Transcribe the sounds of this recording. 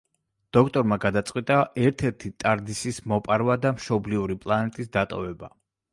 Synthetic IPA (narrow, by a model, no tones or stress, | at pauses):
d̪̥ɔkʰt̪ʼɔɾmaɡad̪at̪sʼqʼwit̪ʼaɛɾt̪ʰɛɾt̪ʰit̪ʼaɾd̪isismɔpʼaɾwad̪amʃɔbliuɾipʼlˠanɛt̪ʼisd̪at̪ʼɔvɛba